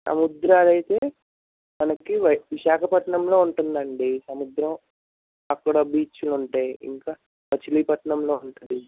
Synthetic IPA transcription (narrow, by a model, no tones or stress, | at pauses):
sɐ̰mud̪ɾaːlɐjit̪e̞ː | mɐnɐkiʋʋiʃaːkʰɐpɐʈɳɐmlo̞ːuɳʈund̪ɐɳɖisɐmud̪ɾɐm | ɐkːɐɽɐbiːt͡ʃuluɳʈaːjḭŋkaː | pɐt͡ʃiliːpɐʈɳɐmloːuɳʈund̪i